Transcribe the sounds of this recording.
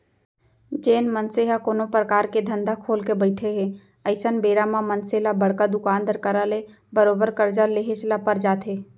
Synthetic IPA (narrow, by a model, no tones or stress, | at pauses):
d͡ʒeːnmənseɦakoːnopɾəkaːɾked̪ʱə̃nd̪ʱakʰoːlkebəɪʈʰeɦɛ̃ | əɪsənbeːɾamãmənselabəɽkad̪ʊkaːnd̪əɾkaɾale | bəɾoːbəɾkəɾd͡ʒaleɦeslapəɾd͡ʒaːt̪ʰɦeː